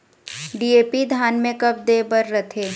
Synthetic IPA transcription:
ɖiːeːpid̪ʱjaːnmẽkɐb̚d̪eːbəɾːɐt̪ʰeː

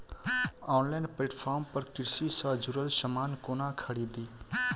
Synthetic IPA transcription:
ɔːnlaɪnpleːʈpʰaːɾmpəɾkɪɾsisãd͡ʒʊɾəlsəmaːnkoːnãkʰəɽiːd̪iː

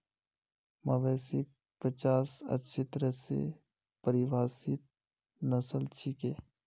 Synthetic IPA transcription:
mɐʋɛːsik̚ | pət͡ʃaːsə̰tːʃʰit̪əɾɛsḛ | pəɾiʋaːsit̪̚ | nəsəlt͡ʃʰikeː

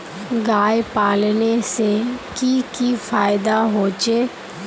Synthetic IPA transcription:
ɡaːjpaːlnesekiːkifʰaːjɪd̪aːɦoːt͡ʃeː

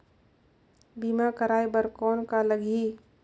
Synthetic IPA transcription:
bimakəɾaːibəɾkɔːnkaləɡʱi

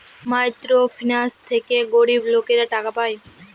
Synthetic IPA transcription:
majt̪ɾofʰinast̪ʰekeɡoɽiblokeɾaʈakapaj

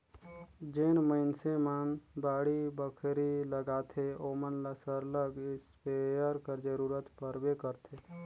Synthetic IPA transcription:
d͡ʒeːnməɪnsemənbaːɽibəkʰɾiləɡaːt̪ʰeoːmənlasəɾləɡɪspejəɾkəɾd͡ʒəɾuːɾət̪pəɾbekəɾt̪ʰe

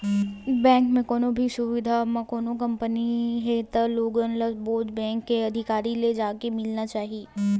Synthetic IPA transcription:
bɛ̃ːŋkmẽkoːnobʱisʊʋɪd̪ʱamɐ̃koːnokɐ̃mpəniɦet̪əloːɡənləsboːd͡ʒbɛ̃ːŋkːeɐd̪ʱɪkaːɾiled͡ʒaːkemɪlnat͡ʃaːɦieː

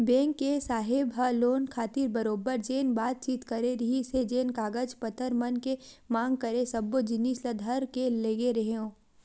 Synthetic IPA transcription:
bɛ̃ːŋkːesaːɦɪbɦɐloːnkʰaːt̪iːɾbɐɾoːbəɾd͡ʒeːnbaːt̪̚t͡ʃiːt̪kɐɾeɾɐɦised͡ʒeːnkaːɡəd͡ʒpɐt̪ʰəɾmɐnkemãːŋɡ̚kɐɾesɐbːod͡ʒɪnislɐd̪ʱəɾkeleːɡeɾɐɦeõː

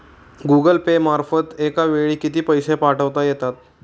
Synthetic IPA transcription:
ɡuɡəlpemaɾfət̪ekaʋeɭiːkit̪iːpəjsepaʈʰəʋt̪ajet̪at̪̚

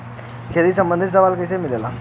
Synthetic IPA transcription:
kʰeːlisə̃mbə̃nd̪ɪt̪s̬ɐʋaːlkəs̬emɪlela̰ː

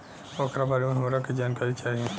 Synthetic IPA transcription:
oːkʰɾabaːlemẽɦɐmːɾakid͡ʒaːnkaːɾit͡ʃaːɦiẽ

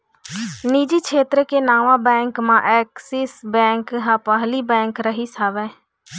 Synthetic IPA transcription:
niːd͡ʒit͡ʃʰeːt̪ɾəkenaːʋãbɛ̃ːŋkmãʔɛːksisbɛ̃ːŋkɦãːpəɦlibɛ̃ːŋkɾəɦisaːʋɛ̃ː

